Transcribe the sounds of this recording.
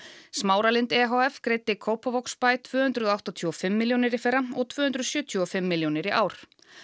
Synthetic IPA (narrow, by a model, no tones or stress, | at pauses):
smaːwɾalɪnt̪ɛɦoɛfkɾejt̪ːɪkʰoːwpavɔkspajt̪ʰvʏːhʏnt̪ɾʏðawht̪ɔt̪ʰuɔfɪmːɪljownɪɾɪfɛɾːaɔɣt̪ʰv̥ʏːhʏnt̪ɾʏðsjʏːt̪ʰjuɔfɪmːɪljownɪɾiʔaːwɾ̥